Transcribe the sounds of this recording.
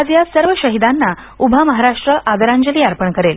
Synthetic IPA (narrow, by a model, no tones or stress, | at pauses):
ad͡zjasəɾʋəɕəɦid̪anːa | ubʱaməɦaɾaʂʈɾəʔad̪əɾãɲd͡ʑəliːaɾpəɳkəɾel